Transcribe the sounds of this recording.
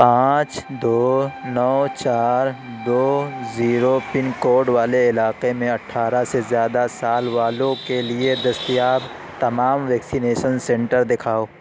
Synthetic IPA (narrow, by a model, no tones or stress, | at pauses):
pãːt͡ʃd̪oːnɔːt͡ʃaːɾ | d̪oːziːɾopɪ̃nkoːɖʋaːleɪlaːqemẽɐʈʰːaːɾasezjaːd̪asaːlʋaːlõkelied̪ɐst̪ijaːb | t̪ɐmaːmʋɛːksineːʃənsɛ̃ɳʈəɾd̪ɪkʰaːoː